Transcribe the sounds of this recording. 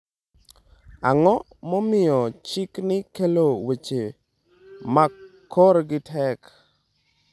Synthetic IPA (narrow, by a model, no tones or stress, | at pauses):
aŋɔ | mɔmɪjɔt͡ʃɪknɪkelowet͡ʃe | makʰːɔɾɡɪtʰɛk